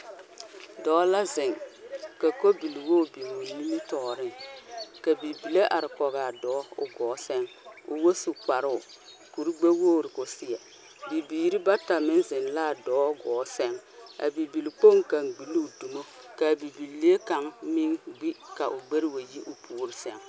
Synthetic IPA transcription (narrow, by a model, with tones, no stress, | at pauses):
dɔː˨˦la˦zɪ˨ŋka˨ko˦bi˨lwoː˦bi˨mo˨ni˦ni˦tɔː˨ɾɪ˦ŋka˨bi˨bi˨le˦ʔa˨ɾɪ˨kɔ˨ɣa˨dɔː˨˦ʊ̰˦ɡɔː˨˦sɛ˦ŋ | ʊ̰˨wo˦su˨k͡pa˨ɾʊ˦ʊ˨ | ku˨ɾi˦ɡ͡be˦woː˦˨ɾɪ˨kʊ˨sɪ˨ɛ˨ | bi˨biː˨ɾi˦ba˦ta˨mɪ˦nzɪ˨nlaː˦˨dɔː˨˦ɡɔː˨˦sɛ˦ŋa̰˨bi˨bi˨lk͡po˦ŋka˨ŋɡ͡bi˨li˦˨du˨mo˦ | ka˨bi˨bi˨lːe˦e˦ka˨ŋmi˦ŋɡ͡bi˦ka˨ʔʊ˨ɡ͡be˦ɾwa˨ji˦ʔʊ˦pʰuː˦˨ɾɪ˨sɛ˦ŋ